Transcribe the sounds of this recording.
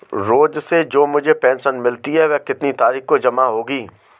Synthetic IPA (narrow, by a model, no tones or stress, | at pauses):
ɾoːd͡ʒsed͡ʒoːmʊd͡ʒʱepɛ̃ːnʃənmɪlt̪iɦɛʋɛkɪt̪nit̪aːɾiːxkod͡ʒɐmaɦoːɡiː